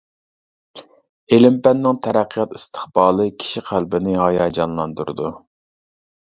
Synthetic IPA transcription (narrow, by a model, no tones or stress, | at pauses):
elɪmpænːɪŋt̪ʰæɾæqʰːəjɑt̪ist̪ʰə̥χb̥ɑːlˠɨkʲʰi̥ʃiqʰælbɪnɪɦɑjɑːd͡ʒɑnlˠɑnd̪uɾɨ̰d̪u